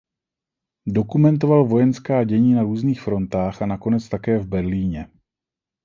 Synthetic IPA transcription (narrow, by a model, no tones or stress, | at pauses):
do̞kumɛnt̪̬o̞valvo̞jɛnskaːɟɛɲiːnaɾuːzniːxfɾo̞nt̪aːxanako̞nɛt͡st̪akɛːvbɛɾliːɲɛ